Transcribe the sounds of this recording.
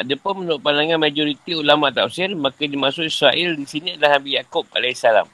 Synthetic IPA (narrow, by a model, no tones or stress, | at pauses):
adəpʊnmənʊʔpanaŋãnmad͡ʒɔɾit̪iulamãʔt̪ausɪrmakadimasʊkisɾaʔɪldisiniadalahabijakup̚a̰lɛhsala̰m